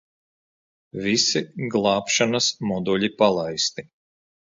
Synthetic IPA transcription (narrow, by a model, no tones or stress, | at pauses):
visiɡlˠɑːpʃanasmɔd̪uʎʲipalˠajst̪i